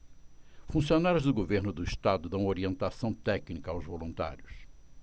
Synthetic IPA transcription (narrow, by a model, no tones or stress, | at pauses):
fũsionaɾjʊzd̪ʊɡoveɾnʊd̪ʊiʃt̪ad̪ʊd̪ɐ̃w̃oɾiẽnt̪asɐ̃w̃t̪ɛknikɐawzvolũnt̪a̰ɾjʊs